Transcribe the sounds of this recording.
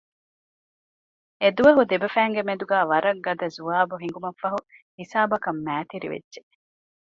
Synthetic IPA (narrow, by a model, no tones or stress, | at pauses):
ed̪uʋɐɦud̪ebɐfæːŋɡemed̪uɡæːʋɐɾɐɡːɐd̪ɐzuʋaːbuɦiŋ̆ɡumɐfːɐɦuhisaːbɐkɐmːæːt̪iɾḭʋḛdːʒe